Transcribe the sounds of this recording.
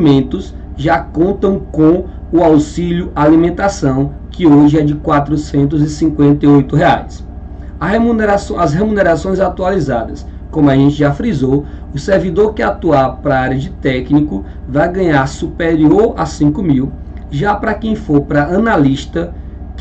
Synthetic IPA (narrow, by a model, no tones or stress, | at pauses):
mẽnt̪ʊs | ʒakõnt̪ɐ̃w̃kõ | ʊawsiʎʊalimẽnt̪asɐ̃w̃ | kɪoʒɪɛd͡ʒɪkwat̪ɾʊsẽnt̪̬ʊzɪsĩkwẽnt̪ɐjojt̪ʊɦea̰js | ɐɦemuneɾasɐsɦemũneɾasõj̃zat̪ualizad̪ɐskõmʊaʒẽnt͡ʃɪʒafɾizo | ʊseɾvid̪oɾkɪat̪uaɾpɾaaɾiɐd͡ʒɪt̪ɛknikʊ | vajɡɐ̃ɲaɾsupeɾioɾa̰sĩkʊmiw | ʒapɾɐkẽj̃foɾpɾɐɐ̃naliʃt̪ɐ | k